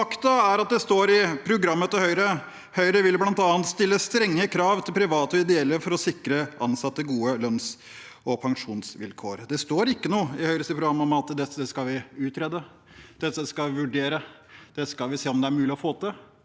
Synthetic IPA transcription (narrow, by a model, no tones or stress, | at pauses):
ɑkt̪əæɾɑt̪̚d̪ɛst̪oːɾɪpʰɾʊɡɾɑmːət̪əhœʏɾə | hœʏɾəʋɪlblɑnt̪ɑːənt̪st̪ɪlːəst̪ɾɛŋːəkʰɾɑːʋt̪ʰɪlpʰɾɪʋɑːt̪əɔɪd̪ɛɛlːəfɔɾɔsɪkːɾəɑnsɑt̪ːəɡuːəlœns | ʔɔpʰɑŋʂuːnsʋɪ̰lkʰo̰ːɾd̪ɛst̪oːɾɪkːənuːəɪhœʏɾəsɪpɾʊɡɾɑmːɔmɑt̪d̪ɛt̪ːəskɑʋɪʉːt̪ɾɛːd̪ə | d̪̥ɛt̪ːəskɑʋɪʋʉɖeːɾə | d̪̥ɛskɑlʋɪseːɔmd̪ɛæɾmʉːlɪɔfoːt̪ə